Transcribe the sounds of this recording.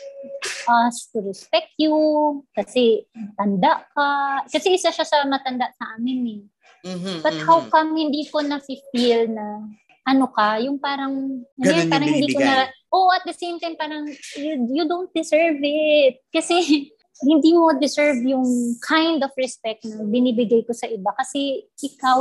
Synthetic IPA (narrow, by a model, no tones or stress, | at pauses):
ʔast̪ʊɾɛspɛk̚t̪jʊkɐsɛt̪ɐnd̪aʔkɐkɐsɛʔɪsaʃasɐmɐt̪ɐnd̪aʔsɐʔaːmɪnɛ | b̥ɐt̪̚hawkɐmhɪnd̪iːkonɐfɪfilnɐ | ʔɐnokɐjʊŋpaːɾɐŋɐojnpaːɾɐŋhɪ̃nd̪ikonɐɾaʔoʔʔɐt̪̚d̪ɐsejmt̪ajmpaːɾɐŋjʊjʊd̪ownt̪̚d̪ɪsɛɹvɪt̪̚kɐsɛ | hɪnd̪iːmod̪ɪsɛɹvjʊŋkʰajnd̪ɔfɹɛspɛk̚t̪̚nɐŋbɪniːbɪɡajko̞sɐʔɪbakɐsɛʔɪkaw